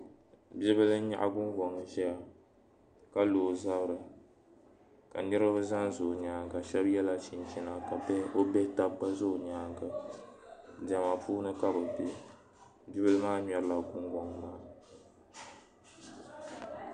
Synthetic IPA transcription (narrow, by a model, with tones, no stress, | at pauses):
bi˦bɨ˦lɨ˦n˦ɲa̰˦ʔa̰˦ɡʊ˦ŋɡɔ˨ŋ˨ʒɛ˦ja˨ | ka˦loː˨za˦bɾɨ˨ | ka̰˨nɨ˦ɾɨ˦bɨ˦za˦nzo˨ɲaː˨˦ŋɡa˨ʃɛ˦bjɛ˦la˦t͡ʃi˨nt͡ʃi˦na˨ka˨bɛ˦o˦bɛ˦ta˦bk͡pa˦zo˦˨ɲaː˨˦ŋɡa˨ | da˨ma˨puː˦nɨ˦ka˦bɨ˨be˦ | bɪ˦bɨ˦lɨ˦maː˦ɲɔ˨ɾɨ˦la˨ɡʊ˦ŋɡɔ˨ŋ˨maː˦